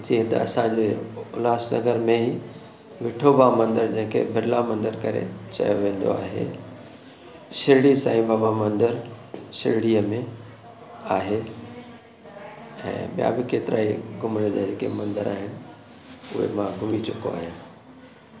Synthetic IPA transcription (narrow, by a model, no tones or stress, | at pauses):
d͡ʑiːɦẽt̪ɐ̰ɐsãɲd͡ʑeʊlaːsnɐ̰ɡəɾmẽɦi | ʋɪʈʰobamɐ̃nd̪əɾd͡ʑɐ̃ɦɪ̃kʰḛbʱɪɾɪlamɐ̃nd̪əɾkɐɾḛt͡ɕɐ̰joʋẽːnd̪o̰a̰ːɦḛ | ʃɪɾɪɽisa̰ːĩbabamɐ̃nd̪əɾʃɪ̰ɾɪɽijəmẽ | aːɦe | ɛ̰̃ːɓja̰bɪkeːt̪ɪɾaːiɡʱʊmẽd̪ad͡ʑeːkemɐ̃nd̪əɾaːɦɪnɪ̆ | ʊɦḛmãɡʱʊmit͡ɕʊko̰a̰ːɦijãː